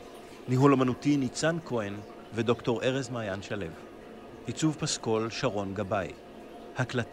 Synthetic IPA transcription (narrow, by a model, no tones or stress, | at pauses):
niɦulomanutinit͡sankʰo̞en | vedo̞kto̞ʁʔe̞ʁezmaːjanʃale̞v | ʔit͡suvpasko̞lʃaʁo̞nɡabaj | haklat